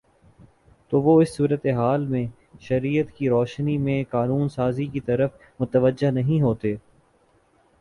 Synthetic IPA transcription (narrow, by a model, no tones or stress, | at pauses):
t̪oːʋoɪsːuːɾət̪eɦaːlmẽ | ʃɐɾijət̪kiɾɔːʃnimẽkaːnuːnsaːzikit̪ɐɾəf | mʊt̪əʋəd͡ʒenɐɦĩɦoːt̪eː